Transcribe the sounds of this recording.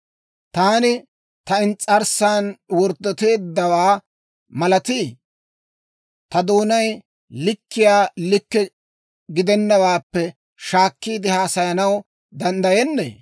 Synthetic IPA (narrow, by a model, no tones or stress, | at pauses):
t̪aːnɪ | t̪ɐɪnt͡sʼɐɾsaːnwɔɾd̪ːɔt̪e̞ːd̪ːɐwaː | mɐlɐt̪iː | t̪ɐd̪oːnɐj | lɪkːɪjaːlɪkːɛ | ɡɪd̪ɛnːɐwaːpːɛ | ʃaːkːiːd̪ɪhaːsɐjɐnɐw | d̪ɐnd̪ɐjɛnːḛː